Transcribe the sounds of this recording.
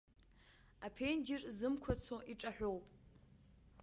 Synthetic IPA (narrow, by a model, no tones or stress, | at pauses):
apʰe̞nd͡ʒɪrzɨmkʷʰat͡sʰoʔiʈ͡ʂʼaħʷᶣowpʼ